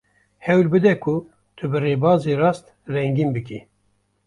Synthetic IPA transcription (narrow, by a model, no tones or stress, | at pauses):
hɛwlbɨd̪ɛkʰu | t̪ʰɨbɨreːbɑːzerɑːst̪ | rɛŋɡimbɨki